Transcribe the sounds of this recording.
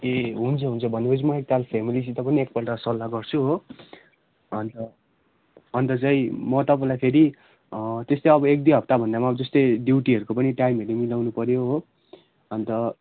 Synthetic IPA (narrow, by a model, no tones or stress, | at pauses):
eɦunt͡sʰʌɦunt͡sʰʌbʱʌnbʌt͡sʰimʌek̚t̪alpʰemilisit̪ʌpʌniek̚pʌʈʌsʌlːaɡʌrt͡sʰuɦo | ʌnt̪ʌ | ʌnt̪ʌt͡saĩmʌt̪ʌpãlajpʰeɾi | t̪est̪oʌbʌek̚d̪iɦʌp̚t̪abʱʌnd̪amaʌbʌd͡zʌst̪ʌɖiwʈiɦʌɾukopʌniʈajmeɾimilawnupʌɾjoɦo | ʌnt̪ʌ